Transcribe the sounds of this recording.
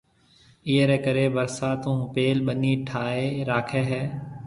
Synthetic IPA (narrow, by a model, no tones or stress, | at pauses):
iːeːɾɛːkəɾeːbəɾsaːt̪ũːpeːlɓəniːʈʰaːeːɾaːkʰeːɦɛː